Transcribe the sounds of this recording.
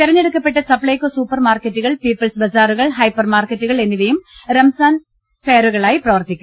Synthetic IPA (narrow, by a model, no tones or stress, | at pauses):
t̪irɐɲːeɽukːɐpːe̞ʈːɐsɐpɭɐjkːoːsuːpːɐrmaːrkɐtːuɣɐɭpiːpːɐlsbɐzaːɾuɣɐɭɦɐjpːɐrmaːrkɐtːuɣɐɭe̞nːiʋɐjumɾɐmsaːn | fejɐɾuɣɐɭaːjiprɐʋɐrt̪ikʲːu